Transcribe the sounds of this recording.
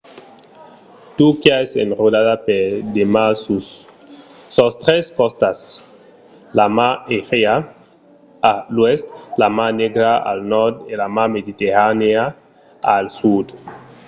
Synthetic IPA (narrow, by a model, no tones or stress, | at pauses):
t̪ukjaesḛnrodaðapeɾd̪emasu | ost̪ɾeskɔst̪as | lamaeʁea | alwest̪lamaneɡɾaa̰lnɔɾd̪elamamed̪it̪eɾanea | alsud̪